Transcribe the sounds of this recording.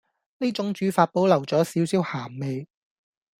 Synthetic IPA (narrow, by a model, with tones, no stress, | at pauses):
ne˥t͡sʊ˨˥ŋt͡ʃyː˨˥faː˧t̚po˨˥wlɐ˨˩wt͡sɔː˨˥siː˨˥wsiː˨˥whaː˨˩mme˨j